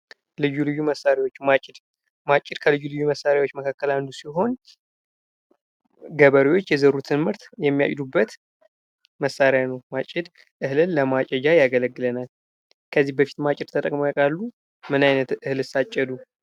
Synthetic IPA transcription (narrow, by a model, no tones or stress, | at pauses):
lɨjulɨjːuməsaɾiwo̞t͡ʃːmat͡ʃʼɪd̪ | mat͡ʃʼːɪd̪kʰəlɨjulɨjːuməsaɾawot͡ʃːməkʰakːəland̪usiɦo̞n | ɡəβəɾiwo̞t͡ʃːjɛzəɾut̪ʰɨnmɨɾt̪jɛmːija̰t͡ʃʼd̪ubːət̪ | məsːaɾjanəwmat͡ʃʼɪd̪ | ʔɨhlɨlːəmat͡ʃʼɛd͡ʒajaɡələɡːɨlənal | kʰəzːihbəfi̥t̪mat͡ʃʼɪd̪t̪ʰət̪ʼəkʼmajkʼalːu | mɨnajnət̪ʔɨhlɨsat͡ʃʼːɛd̪u